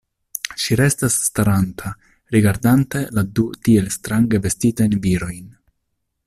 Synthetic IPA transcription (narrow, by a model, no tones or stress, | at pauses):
ʃiɾe̞stasːtaɾantʰa | ɾiɡaɾdante̞ladutie̞lstɾaŋɡe̞ve̞stitajnviɾo̞jn